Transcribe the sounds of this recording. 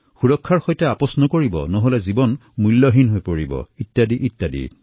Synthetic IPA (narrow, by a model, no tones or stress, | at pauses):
xuɹɔkʰːaɹxojtɛapɔsnɔkoɹibɔ̰nɔɦolɛzibɔnmulːɔɦinɦojpoɹibɔ̰itːjadiʔitjadḭ